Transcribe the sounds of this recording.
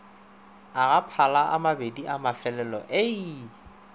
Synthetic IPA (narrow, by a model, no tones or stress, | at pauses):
aɣapʰalaʔa̰mabediʔamafɛlɛlɔ̰ʔe